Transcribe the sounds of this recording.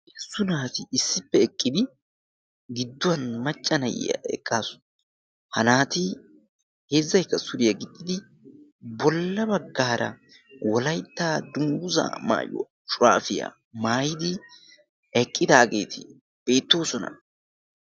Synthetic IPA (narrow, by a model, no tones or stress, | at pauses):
ɛsːʊnaːt̪ɪɪsːɪpːɛɛkʼːɪd̪ɪ | ɡɪd̪ːʊwɐnmɐt͡ʃʼːɐnɐj̰jɐ̰ɛ̰kʼːaːsʊ̥ | hɐnaːt̪ɪ | he̞ːzːɐjkːɐsʊɾɪjɐɡɪd̪ːɪd̪ɪ | bɔlːɐbɐɡːaːɾɐ̰ | wɔlɐjt̪ːaːd̪ʊŋɡʊza̰ːma̰ːjʊ̰ | ʃʼʊɾaːfɪja̰ | maːjɪd̪ɪ | ɛkʼːɪd̪aːɡḛːt̪ʰɪ | b̥e̞ːt̪ːo̞ːsɔnɐ̰